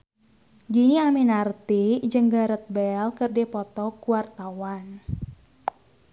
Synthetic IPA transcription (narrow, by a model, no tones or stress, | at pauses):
d͡ʒiniaminart̪id͡ʒəŋɡaɾət̪̚bɛlkərdipɔt̪ɔkuwart̪awan